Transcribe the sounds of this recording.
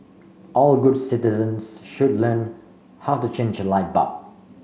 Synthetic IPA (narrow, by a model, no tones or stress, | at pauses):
ʔɔlˠɡʊdsɪtɪzə̃nsʃʊdlɜn | haʊtut͡ʃʰẽɪ̃nd͡ʒəlaɪbʌ̰p̚